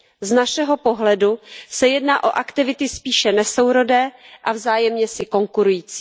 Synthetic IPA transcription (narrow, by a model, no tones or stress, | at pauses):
znaʃɛɦo̞po̞ɦlɛdusɛjɛdnaːʔo̞̰ʔakt̪ɪvɪt̪ɪspiːʃɛnɛso̞wɾo̞dɛːʔavzaːjɛmɲɛsɪko̞ŋkuɾujiːt͡si̥ː